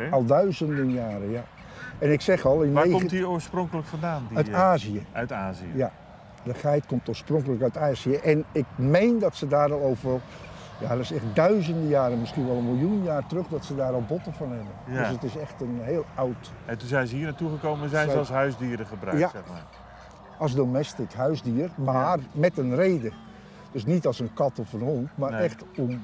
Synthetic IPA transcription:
ɑlˠdœɥzəndənjaːɾəja | ɛnɪksɛχɑlˠɪnaetioːɹsproŋkələkfɑndaːndœɥtaːziəœɥtaːziəja | dəxɛjtkomtoːsproŋkələkœɥtaːziəʔɛnɪk̚mejndɑtsədaːɾɑlˠowvə | ja̰rɪsɛxtdœɥzəndəjaːɾənmɪskinʋɛlˠənmɪlˠjunjaːrtərøχdɔtsədaːɾɔlˠbɔtəvɑnɦɛbəndøsətɪsɛxtənɦeːlˠawtɛntunzɛjnzəɦiːnatuχəkowmənzɛjnzɑlˠsɦœɥzdiːɾəχəbrœ̰kjasɛmaː | ɑlˠsdomɛstɪkɦœɥzdiərmarmɛtənrejdə | d̥s̬nitɑlˠsənkɑtɔfənhontmaːrnɛχtɔm

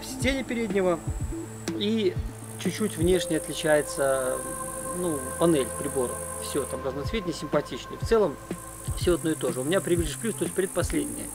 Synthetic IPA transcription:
fsʲtʲenʲɪpʲɪɾʲedʲnʲɪvə | i | t͡ɕʊt͡ɕːutʲvnʲe̞ʂnʲɪjəɐt̪lʲɪt͡ɕæjɪt̪sə | nupɐnɛlʲpɾʲɪboɾə̰fsʲot̪amd̪aznɐt̪svʲet̪̚ʲnʲɪsʲɪmpɐtʲit͡ɕnʲɪjft̪sɛlˠəm | fsʲoɐd̪no̞jɪt̪o̞ʐɨʊmʲɪnʲapɾʲɪvʲiʐʲɨʂplʲust̪osʲpɾʲɪt̪̚pɐsʲlʲedʲnʲɪ̰jə

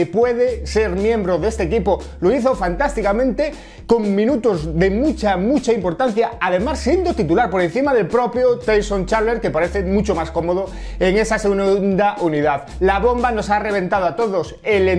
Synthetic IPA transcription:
epwe̞ðese̞ɾmjẽ̞mbɾoðest̪ekipo | loiθofant̪ast̪ikamẽ̞nt̪e | ko̞ŋmĩnut̪ozðe̞mut͡ʃamut͡ʃaimpo̞ɾt̪an̟θjaaðemasːje̞nd̪ot̪it̪ulaɾpo̞ɾe̞n̟θimaðe̞lpɾo̞pjot̪ejsont͡ʃaɾleɾkepaɾe̞θemut͡ʃomasko̞moð̞o | eŋe̞sasnnd̪aʔuniðað | laβo̞mbano̞sare̞β̞ẽ̞nt̪aðoat̪o̞ðosele

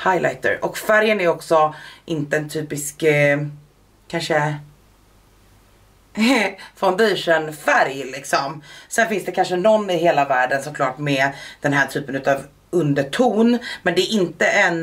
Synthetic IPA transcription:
hajlʔa̰jt̪ə̰ɾʔɔkfæɾjənæɾɔksɔʔɪnt̪əɛnt̪ʰyːpɪsk | kʰanʂə | fɔnd̪eːʂənfæɾjlɪksɔmsɛnfɪnsd̪ɛkʰanʂənɔnːɪɦeːlavæːɖənsɔkʰlɑːʈmɛd̪̥ɛnɦæːʈʰyːpənʉt̪ɑv | ɵnd̪əʈʰuːnmɛnd̪ɛæɾʔɪnt̪əʔɛn

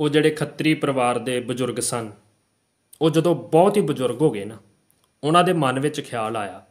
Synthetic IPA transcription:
oːd͡ʒeːɽeːkʰət̪ɾiːpəɾəʋaːɾd̪eːbəzʊɾɡsən | oːd͡ʒəd̪õːbɔːt̪ɦiːbəzʊɾɡɦoːɡeːnaː | ʊnãːd̪eːmənʋɪt͡ʃkʰɪjaːlaːjaː

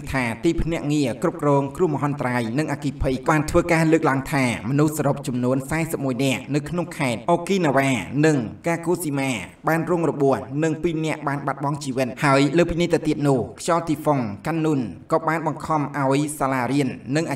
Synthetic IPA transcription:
t̪ʰaːt̪iːpʰnɛ̆əʔŋiəkrup̚krɔːŋkruhməɦɑnt̪raːjnɨŋʔakipʰɨjɓaːnt̪ʰʋəːkaːləːk̚laəŋt̪ʰaːmɔnuhsaːɾop̚t͡ɕɑmnuənsaɛsəp̚muəjnɛ̆əʔnɨwkʰnoŋkʰaɛt̪̚ʔokiːnaʋaːnɨŋkaːkoːsimaː | ɓaːnrʊŋrɔɓuəhnɨŋpiːnɛ̆əʔɓaːnɓat̪̚ɓɑŋt͡ɕiːʋɨt̪̚haəjləːpiniət̪eət̪iət̪̚nʊ̆əhkʰjɑlt̪iːfoŋkanːunkɑːɓaːnɓɑŋkʰɑmʔaɔjsaːlaːɾiənːɨŋʔa

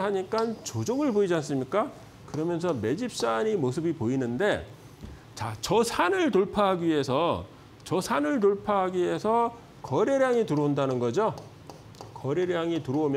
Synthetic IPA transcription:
ɦaɲik͈ant͡ɕod͡ʑoɡɯɭboid͡ʑans͈ɯmɲik͈a | kɯɾʌmjʌns̬ʰʌme̞d͡ʑip̚s͈aɲimosʰɯbipoinɯnde̞ | t͡ɕat͡ɕʌsʰanɯɭtoɭpʰaɦaɡiɥiɦe̞sʰʌ | t͡ɕʌsʰanɯɭtoɭpʰaɦaɡie̞sʰʌ | kʌɾeɾjaŋitɯɾoundanɯnɡʌd͡ʑo | kʌɾeɾjaŋitɯɾoomjʌ

